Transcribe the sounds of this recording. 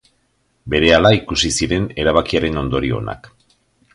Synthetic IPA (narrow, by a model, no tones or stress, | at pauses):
be̞ɾe̞alaikusisiɾe̞ne̞ɾaβ̞akiaɾe̞no̞nd̪o̞ɾio̞̰na̰k